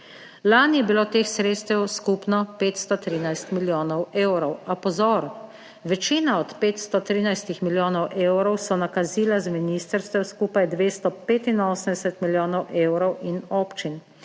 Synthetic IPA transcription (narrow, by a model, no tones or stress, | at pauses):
laːnijɛbiloːt̪eːxsɾeːt̪st̪ɛwskuːpnɔpeːt̪st̪ɔt̪ɾiːnajst̪miljoːnɔweːwɾɔwapɔzɔːɾ | ʋɛt͡ʃiːnaɔt̪peːt̪st̪ɔt̪ɾiːnajst̪ixmiljoːnɔwʔeːwɾɔwsɔnakaziːlazminiːst̪əɾst̪ʋɛwskuːpajd̪ʋeːst̪ɔpeːt̪inoːsənd̪ɛsɛt̪miljoːnɔwʔeːwɾɔwinoːpt͡ʃin